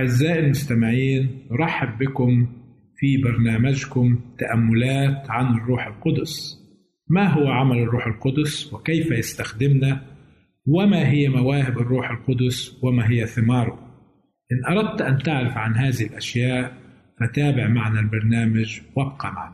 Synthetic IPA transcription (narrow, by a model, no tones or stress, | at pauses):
aʕɪzːaːʔɪlmʊst̪amɪʕiːnnʊɾˤɑħːɪbːɪkʊm | fibɑɾˤnaːmad͡ʒkʊmt̪aʔamːʊlaːt̪ʕanɪrˤːuːħɪlqʊd̪ʊs | maɦʊwaʕamalɪrˤːuːħɪlqʊd̪ʊswɪkejfajast̪axd̪ɪmna | wɪmaɦɪjːamawaːhɪbɪrˤːuːħɪlqʊd̪ʊswɪmaɦɪjːaθɪmɑːɾˤʊ | ʔɪnːʔɑɾˤɑd̪̚t̪ʔant̪aʕɾɪfʕanɦaːðɪhɪlʔaʃjaːʔ | fat̪aːbɪʕmaʕnalbɑɾˤnaːmad͡ʒwab̚qama̰ʕn